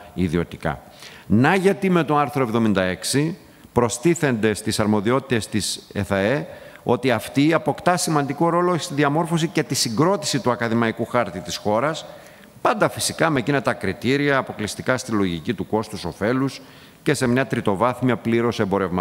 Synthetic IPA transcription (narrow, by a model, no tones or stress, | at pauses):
iðio̞t̪i̥kɐ̰ | nɐʝɐt̪ime̞t̪o̞ɐɾθɾoe̞vðo̞mind̪ɐe̞ksi | pɾo̞st̪iθe̞nd̪e̞st̪isɐɾmo̞ðio̞t̪i̥t̪e̞st̪iseθɐeo̞t̪iɐft̪iɐpo̞kt̪ɐsimɐnd̪iko̞ɾo̞lost̪iðiɐmo̞ɾfo̞sice̞t̪isiɡɾo̞t̪i̥sit̪uɐkɐðimɐikuxɐɾt̪it̪isxo̞ɾɐs | pɐnd̪ɐfisikɐme̞cine̞t̪ɐkɾit̪iɾiɐːpo̞klist̪ikɐst̪ilo̞ʝicit̪uko̞st̪uso̞fe̞lus | ce̞se̞mɲɐt̪ɾit̪o̞vɐθmiɐpliɾo̞sembo̞ɾe̞vmɐ